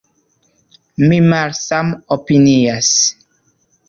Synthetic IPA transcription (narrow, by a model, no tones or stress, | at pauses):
mimalsamopinias